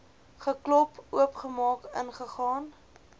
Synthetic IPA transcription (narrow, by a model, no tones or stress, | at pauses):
χəklɔpuəpχəmɑːkənχəχɑːn